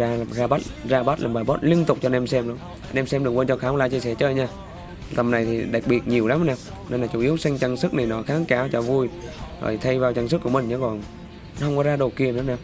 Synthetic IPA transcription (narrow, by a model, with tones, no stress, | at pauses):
a˧zaː˧ɓa˦˥t̚zaː˧ɓa˦˥t̚lʔaː˨˩mɓaː˨˩ɓɔ˦˥t̚li˧ənt̪ʊ˨˩k͡p̚t͡ɕɔ˧nɛ˧msɛ˧mɗu˨˦ | nɛ˧msɛ˧mɗɨ˨˩ək̚wəː˧nt͡ɕɔ˧xaː˨˦wlaː˧˩t͡ɕi˧sɛ̰˧˩t͡ɕəː˧jɲaː˧ | t̪ə˨˩mna˨˩jt̪ʰi˨˩ɗa˨˩k̚ɓi˨˩ət̚ɲi˨˩əwla˨˦hna˧w | ne˧nlaː˨˩t͡ɕu˨˧˩ʔi˨˦əwsa˧ŋt͡ɕa˧ŋsɨ˦˥k̚na˨˩jnɔ˨˦xaː˨˦ŋkaː˨˦wt͡ɕɔ˧˩vu˧jzo̰˨˩jt̪ʰa˧jvaː˨˩wt͡ɕa˧ŋskːu˧˩əmï˨˩ŋ̟ɲa˨˧˦kɔ˨˩n˨˦ | nhə˧wŋ͡mkɔ˨˦zaː˧ɗo˨˩ki˧˩ənɨ˨˦naː˧˩w